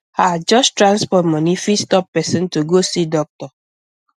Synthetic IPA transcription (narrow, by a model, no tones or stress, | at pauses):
had͡ʒɔʃtɾãnspɔtmɔ̃nifistɔpːɛsɛ̃ntuɡosidɔk̚tɔ